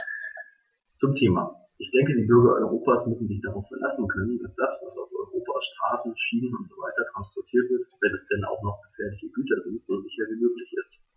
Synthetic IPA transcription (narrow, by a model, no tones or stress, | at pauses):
t͡sʊmtʰeːma̰ | ʔɪçd̥ɛŋkədiːbʏɐɡɐɔ̰ʏʁ̞oːpaːsmʏsn̩zɪçd̥aʁaʊfɛɐlʔa̰sn̩kʰœnənd̥asd̥asvasaʊfʔɔʏʁoːpʰaːsʃtʁ̥aːsn̩ʃiːnənʊntz̥ovaɪtɐtʁ̥anspɔɐtʰiːɐtv̥ɪɐtv̥ɛnɛsd̥ɛnʔa̰ʊχnɔχɡ̥əfɛːɐlɪçəɡyːtʰɐzɪntz̥oːzɪçɐviːmøːklɪçɪst